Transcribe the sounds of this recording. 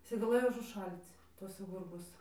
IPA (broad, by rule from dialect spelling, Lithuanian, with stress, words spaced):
ɪˈsɐɪ ɡɐˈlˠɘjoː ʊʒʊˈʃɐlʲt͡s ˈtuɔsɐ ˈɡʊrbuɔs